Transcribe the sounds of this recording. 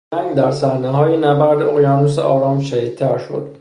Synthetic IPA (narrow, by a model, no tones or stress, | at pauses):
æŋɡd̪æɾsæɾneɦɒːjenæbæɾd̪eoɣjɒːnuːseʔɒːɾɒːmʃæhiːd̪̚t̪ʰːæɾʃo̰d̪̥